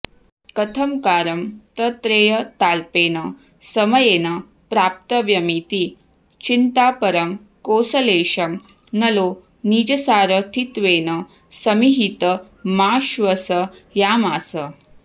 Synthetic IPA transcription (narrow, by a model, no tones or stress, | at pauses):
kɐt̪ʰɐmkaːɾɐmt̪ɐt̪ɾeːjɐt̪aːlpeːnɐ | sɐmɐjeːnɐ | pɾaːp̚t̪ɐʋjɐmit̪i | t͡ʃint̪aːpɐɾɐm | koːsɐleːʃɐm | nɐloː | niːd͡ʒɐsaːɾɐt̪ʰit̪ʋeːnɐ | sɐmiɦit̪ɐ | maːʃʋɐsɐjaːmaːsɐ